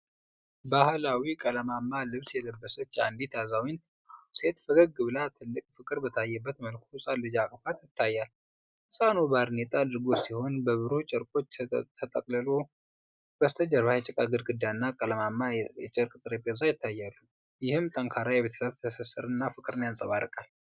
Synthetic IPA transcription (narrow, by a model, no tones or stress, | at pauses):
bahlawikʼələmamːalɨβsjɛləbːəsət͡ʃːa̰nd̪it̪ʰazawint̪ | se̞t̪fəɡəɡɨβlat̪ʰɨlːɨkʼfɨkʼɨɾbət̪ʰajːɛbːət̪məlkʰusʼalɨd͡ʒakʼfat̪jɪt̪ʰːajːal | hɨsʼanobaɾnet̪ʼad̪ɨɾɡo̞siho̞nbəβɨɾot͡ʃʼəɾkʼo̞t͡ʃːʰt̪ʰət̪ʼəkʼləlo | b̥əst̪ʰəd͡ʒəɾβajɛt͡ʃʼɪkʼaɡɨɾɡɨd̪anːakʼələmamːajɛt͡ʃʼɨɾkʼɨt̪ʼɨɾepʼəzajɪt̪ʰːajːalum | jɪhɨmt̪ʼəŋkʰaɾajɛβet̪ʰə̥səβt̪ʰəsəsɨɾɨnːafɨkʼɨɾɨnjansʼəβaɾɨkʼal